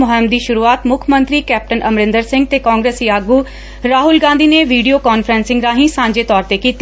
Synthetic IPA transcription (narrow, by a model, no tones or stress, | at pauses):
ʊɦəmd̪iːʃʊɾuːaːt̪mʊkʰəmə̃nt̪ɾikɛːp̚ʈənʔɐmɾɪ̃nd̪əɾsɪ̃ŋɡ̚t̪ekãːŋɡɾeːsjaːɡu | ɾaːɦʊlɡãːnd̪ʱineʋiːɖijokaːnfʰɾɛ̃ːnsɪ̃ŋɡɾaːɦĩsãːɲd͡ʒet̪ɔːɾt̪ekiːt̪i